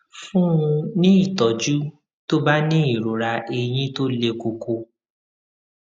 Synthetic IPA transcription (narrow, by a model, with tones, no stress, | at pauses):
fũ˦ũ˧nĩ˦i˦˨tɔ˨d͡ʒu˦ | to˦ba˦nĩ˦i˦˨ɾo˨ɾa˧ʔe˧j̃ĩ˦to˦le˧ko˧ko˧